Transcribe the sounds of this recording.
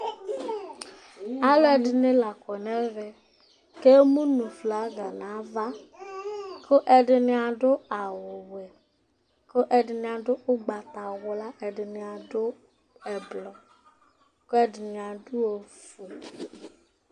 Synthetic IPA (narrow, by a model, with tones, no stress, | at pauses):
a˨lʊ˦ɛ˨dɪ˨nɪ˦la˨kɔ˨nɛ˦vɛ˨ | ke˦mũ˦nũ˨fla˨˦ɡa˨nã˨˦va˦ | kʰʊ˦ʔɛ˨dɪ˨nɪ˦a˨dʊ˦a˨wʊ˨wɛ˨ | ko˦ʔɛ˨dɪ˨nɪ˨a˨dʊ˦ʔʊ˦ɡ͡ba˨t̪a˨wʊ˨la˦ʔɛ˨dɪ˨nɪ˨a˨dʊ˦ | ɛ˨blɔ˨ | ko˦ɛ˦dɪ˨nɪ˨a˨dʊ˦o˨fu˨